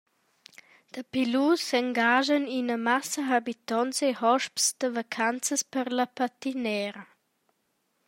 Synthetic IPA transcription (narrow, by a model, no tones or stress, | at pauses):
d̪̥əpilusɛŋɡaʒəninəmasəɦabit̪ɔnsehɔʃpsd̪̥əvakʰant͡səspəɾlapat̪inɛːɾə